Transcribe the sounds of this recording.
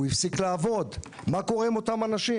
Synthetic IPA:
uifsiklaːvo̞d̪ | mako̞ʁimo̞t̪amanaʃi

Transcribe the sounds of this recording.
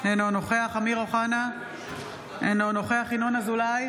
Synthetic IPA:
enonoχeaχamiʁoχana | enonoχeaχinonazulaj

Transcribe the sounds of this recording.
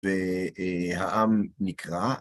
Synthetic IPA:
ve | haʔamnikʁa

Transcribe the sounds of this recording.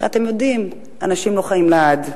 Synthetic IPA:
at̪e̞mjo̞dim | anaʃimlo̞χaimlead̪

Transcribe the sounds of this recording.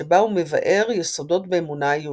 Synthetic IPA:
ebaume̞va̰ʔe̞ʁjeso̞do̞tbeːmunajo

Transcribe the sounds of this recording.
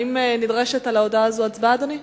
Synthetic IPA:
imnidʁeʃet̪alaodaazuat͡sbaːd̪oni

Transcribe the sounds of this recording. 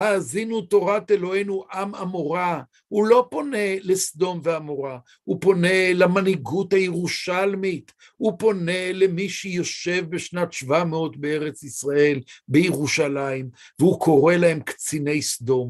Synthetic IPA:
haːzinuto̞ʁat̪elo̞enuʔamamoʁa | hulo̞po̞ne̞lesd̪o̞mveamo̞ʁa | hupo̞nelamaniɡuthajeʁuʃalmit | hupo̞ne̞lemiʃejo̞ʃe̞vbeʃnatʃvameo̞t̪beeʁet͡sisʁae̞lbejeʁuʃalaim | veukʰo̞ʁe̞lahe̞mkt͡sine̞jsd̪o̞m

